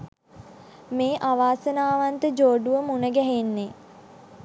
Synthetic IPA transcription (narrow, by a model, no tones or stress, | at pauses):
meːʔaʋaːsənaːʋant̪əd͡ʒoːɖuʋəmunəɡɛɦenːe